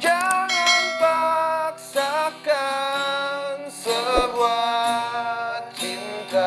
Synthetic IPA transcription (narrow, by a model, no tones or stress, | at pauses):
d͡ʒaŋanpaksaka | nsəba | t͡ʃint̪a